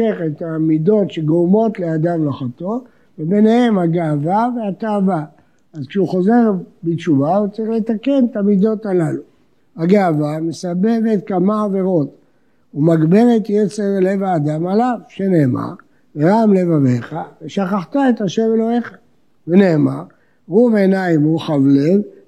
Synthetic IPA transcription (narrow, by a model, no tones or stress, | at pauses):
eχet̪amido̞tʃeɡomo̞t̪le̞ad̪amloχat̪o̞ | vebe̞nehe̞mhaɡaavaveataːva | azkʃeuχo̞ze̞ʁbit͡ʃuvaut͡silet̪ake̞nt̪amid̪o̞talalu | haɡeavamesabe̞vet̪kamaːve̞ʁo̞t̪ | umaɡbe̞ʁe̞t̪jet͡se̞ʁle̞vaːd̪amalavʃene̞ːma̰ʁ | veʁamle̞vaveχaveʃaχaχt̪aet̪aʃe̞melo̞he̞χḁ | vene̞ːmaʁ | ʁuvenaimuχavle̞v